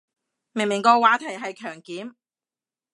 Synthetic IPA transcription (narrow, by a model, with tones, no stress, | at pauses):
me˨˩ŋmɪ˨˩ŋkɔː˧waː˨˥t̪ʰɐ˨˩jɦɐ˨jkʰœː˨˩ŋkiː˨˥m